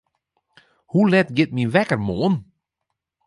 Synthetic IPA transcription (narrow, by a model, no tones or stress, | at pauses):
hulɛtɡɪt̚minʋɛkərmoːn